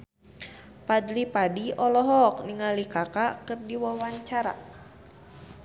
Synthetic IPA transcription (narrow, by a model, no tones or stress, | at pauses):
pad̪lipadiɔlɔɦɔk̚niŋalikakakɨrdiwawaɲt͡ʃaɾa̰